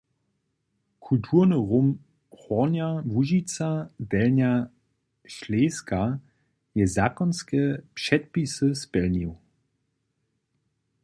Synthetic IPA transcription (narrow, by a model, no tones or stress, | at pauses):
kʰultʰuʁnəʁom | xɔʁnjavuʒit͡sadɛlnja | ʃleːska | jɛzakɔnskɛpʂɛt̚pisəspɛlniw